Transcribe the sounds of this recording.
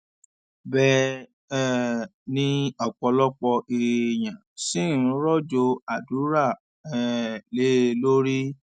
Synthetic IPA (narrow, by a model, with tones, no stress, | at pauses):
bɛ˧ | ɛ˦nĩ˧ɔ˨k͡pɔ˧lɔ˦k͡pɔ˧ʔi˨j̃ã˨sĩ˦˨˦ɾɔ˦˨d͡ʒo˧a˨du˨˦ɾa˦˨ | ɛ˨le˨˦˧lo˦ɾi˦